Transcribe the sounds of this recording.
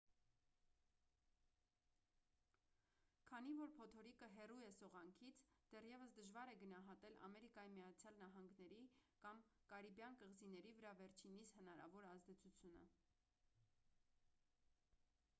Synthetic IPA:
kʰɑn̪ivɔɾpʰɔt̪ʰɔɾikəɦɛrujɛsɔʁɑŋkʰit͡sʰd̪̥ɛrjɛvəsd̪əʒvɑɾɛɡənɑɦɑt̪ɛlɑ̰mɛɾikɑjimijɑt͡sʰjɑlnɑɦɑŋɡnɛɾikɑmkɑɾibjɑnkəʁzinɛɾivəɾɑvɛɾt͡ʃʰinishənɑɾɑ̰vɔɾɑzd̪ɛt͡sʰut͡sʰjunə̰

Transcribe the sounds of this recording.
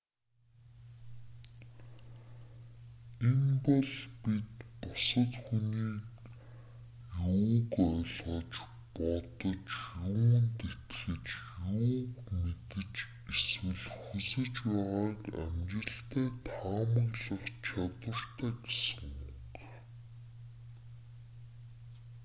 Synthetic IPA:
enpɔɮpit̪pɔsə̆t̪xuniːk | juːkœɮʁɞ̆t͡ɕ | pɔt̪ɞ̆t͡ɕjuːnt̪et̪xɘ̆t͡ɕjuːkmet̪ɘ̆t͡ɕ | eswɘ̆ɮxusɘ̆t͡ɕpæːʁaːkæ̰mt͡ɕɪ̆ɬt̪æːt̪ʰaːmə̆ɣɮə̆χt͡ɕʰat̪wə̆r̥t̪ʰæːɡesɘ̥̆ŋuɡ

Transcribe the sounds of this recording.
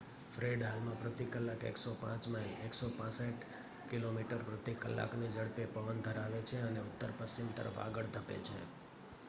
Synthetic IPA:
fɾeɖɦalmãpɾət̪ikəlːakḛksopã̰t͡ʃmaleksopãsəʈ | kilomiʈəɾpɾət̪ikəlːa̰knid͡ʒəɽpepəʋənd̪ʱəɾaʋet͡ʃʰeəneʊt̪ːəɾpəst͡ʃimt̪ə̰ɾə̰fa̰ɡəɭt̪ʰəpḛt͡ʃʰḛ

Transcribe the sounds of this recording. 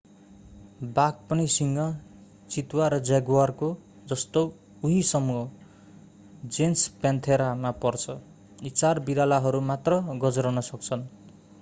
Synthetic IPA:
bak̚pʌnisiŋɡʌ | t͡sit̪waɾʌd͡zaɡwarko | d͡zʌst̪o | uɦisʌmuɦʌ | d͡zenspant̪ʰeɾamapʌrt͡sʰʌ | it͡sarbiɾalaɦʌɾumat̪rʌɡʌd͡zɾʌnʌsʌk̚t͡sʰʌn

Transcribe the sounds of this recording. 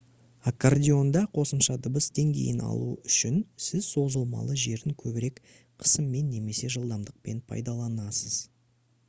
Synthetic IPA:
akːardʲio̞nd̪ɑqʰo̞səmʃɑd̪ʊbəsd̪e̞ŋɡʲḛjɪnɑ̰lˠuʏʃɪnsɪzso̞zəlˠmɑ̰lˠəʒe̞ɾɪŋkʲʰɵbɪɾe̞k | qʰə̥səmːe̞nːe̞me̞se̞ʒəlˠd̪ɑmd̪əq̚pe̞npʰɑ̰jd̪ɑlˠɑnɑsəz

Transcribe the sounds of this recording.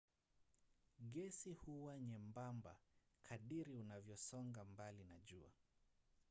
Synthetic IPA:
ɠɛsihuwaɲɛmbamba̰kʰaɗiɾiunavjɔsɔŋɡambalinaʄua̰

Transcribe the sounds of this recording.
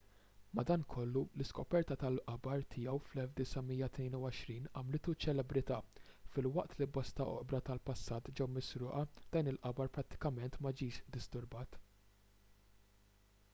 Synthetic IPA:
mɐd̪ɐːnkʰɔlːulɪskɔpɛɾt̪ɐt̪ɐlʔɐbɐɾt̪ʰɪjɛwflɛlfd̪ɪsɐmijːɐt̪nɛːnuwɔʃɾiːnɐmlɪt̪ut͡ʃːɛlɛbɾɪt̪ɐːfɪlwɐʔt̪libɔst̪ɐɔ̰ʔbɾɐt̪ɐlpɐsːɐːt̪d͡ʒɛwmɪsɾʊːʔɐd̪̥ɐːnɪlʔɐbɐɾpɾɐt̪ːɪ̥kɐmɛnt̪mɐd͡ʒiːʃd̪ɪst̪ʊɾbɐːt̪

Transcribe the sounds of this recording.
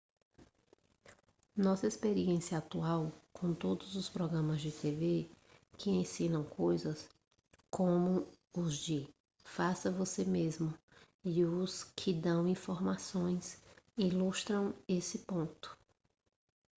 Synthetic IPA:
nɔsɐespeɾiẽsiɐat̪uawkʰõw̃t̪od̪ʊzʊspɾɔɡɾɐ̃mɐzd͡ʒɪt̪eve | kʰɪẽsĩnɐ̃w̃kʰojzɐs | kʰõmʊ | ʊzd͡ʒɪ | fasɐvosemezmʊ | ɪʊskʰɪd̪ɐ̃w̃ĩfoɾmasõj̃silust̪ɾɐ̃w̃esɪpõnt̪ʊ̥

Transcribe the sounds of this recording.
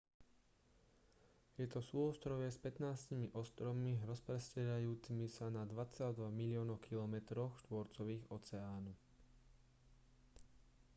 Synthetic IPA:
jɛt̪ɔsuːɔst̪ɾɔʋɪɛspɛt̪naːscimiʔɔst̪ɾɔʋmiɾɔspɾɛscɛɾajuːt͡simisanad̪ʋat͡sald̪ʋaɣmilɪɔːnɔʊkʰilɔmɛt̪ɾɔxʃt̪ʋɔɾt͡sɔʋiːɣɔt͡sɛaːnu

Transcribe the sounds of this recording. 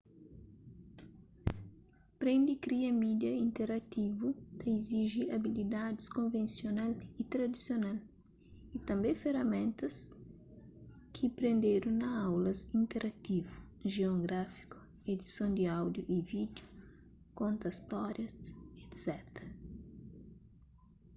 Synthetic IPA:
pɾẽnd̪ikɾiɐmid̪jɐĩnt̪eɾat̪ivut̪ɐiziʒiabilid̪ad̪iskõnvẽnsjonalit̪ɾɐd̪isjonal | it̪ɐ̃mbẽfeɾɐmẽnt̪ɐs | kʰipɾẽnd̪eɾunɐawlɐsĩnt̪eɾʔat̪ivu | ʒeoɡɾafi̥ku̥ | ed̪isõnd̪iawd̪juʔivid̪ju | kõnt̪ɐist̪ɔɾjɐset̪sɛt̪ɾɐ

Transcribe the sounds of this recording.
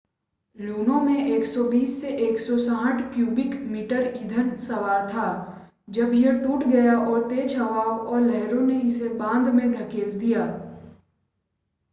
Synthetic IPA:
luːnõmẽʔeːksɔbiːsːeʔeːksɔsãːʈʰkjuːbɪkmiːʈəɾɪd̪ʱənsɐʋaːɾt̪ʰaː | d͡ʒɐbjeʈuːʈʰɡɐjaʔɔːɾt̪eːt͡ʃʰɐʋaːwɔːɾlɛɦɾõneɪsebãːnd̪mẽd̪ʱɐkeːld̪ijaː

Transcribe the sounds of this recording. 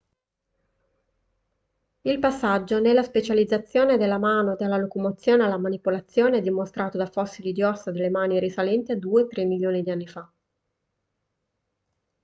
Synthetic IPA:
ilpasːad͡ʒːonelːaspet͡ʃalid̪zːat̪sːjoːned̪elːamaːnod̪alːalokomot̪sːjoːnealːamanipolat̪sːjoːneɛd̪ːimost̪ɾʔaːt̪od̪afɔsːilid̪jɔsːad̪elːemaːniɾisalɛnt̪iad̪uːet̪ɾemːiljoːnid̪ianːifa

